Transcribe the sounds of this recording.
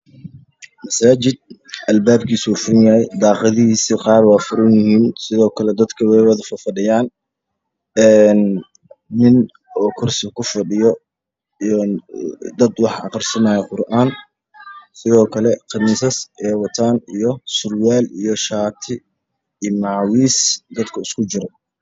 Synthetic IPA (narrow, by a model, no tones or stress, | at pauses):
mɐsaːt͡ʃɪd̪̚ʔɐlbaːb̚kʰiːsuːfʊɾɪnjɐhɛjd̪ɑːqɑðɪɦiːsɪqɑːrwɑːfʊɾʊnjɪhiːnsɪðɔːkʰɐlɛd̪ɐd̪kʰɐwɛːwɐðɐfɐfɐɖɪjaːn | ɛːnː | ɪn | ɔːkʰʊrsɪkʰʊfɐɖɪjɔ | nd̪ɐd̪wɑħʔɑqɑrsɐnaːjɛqʊrʔaːn | sɪðɔːkʰɐlɛqɑniːsɐsɛːwɑt̪ʰaːnijɔsʊrwaːlijɔʃaːt̪ʰɪ | iːmɑʕwiːsd̪ɐd̪kʰɐɪskʰʊt͡ʃɪɾɔ